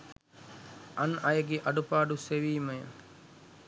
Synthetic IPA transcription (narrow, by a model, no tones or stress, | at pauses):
ɐnɐjəɡeʔɐɖupaːɖuseʋiːmɐjə̰